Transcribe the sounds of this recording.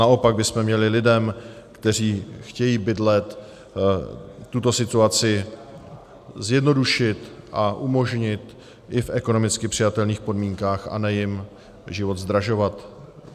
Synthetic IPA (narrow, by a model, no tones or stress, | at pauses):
naʔo̞paɡ̚bɪsmɛmɲɛlɪlɪdɛmkt̪ɛr̝iːxcɛjiːbɪdlɛt̪ | t̪ut̪o̞sɪt̪uat͡sɪ | zjɛdno̞duʃɪt̪ʔaʔumo̞ʒɲɪt̪ | ʔɪfʔɛko̞no̞mɪt͡skɪpr̝̥ɪjat̪ɛlniːxpo̞dmiːŋkaːxa̰nɛjɪm | ʒɪvo̞d̪zd̪ɾaʒo̞vat̪